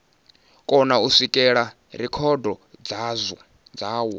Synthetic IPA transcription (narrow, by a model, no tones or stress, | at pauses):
kʼɔnausikʼɛɺa | ɾɛkʰɔdʱɔd͡zzɔ | d͡zaːwɔ